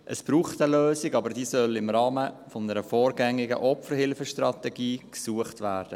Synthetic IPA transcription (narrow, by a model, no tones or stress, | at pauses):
ʔəsb̥ɾuːχtəløːsɪɡɑbəɾdiːsœlɪmɾɑːmə | fɔnəɾəfɔːɾɡɛŋːɪɡə̰ʔɔpfəɾhɪlfəʃtɾɑt̪ɛɡiːksuəχtʋæːɾd̥ə